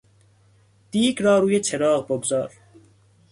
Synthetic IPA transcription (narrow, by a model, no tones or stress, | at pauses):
d̪̥iːɡɾɒːɾuːjet͡ʃʰeɾɒːɣboɡzɒːɾ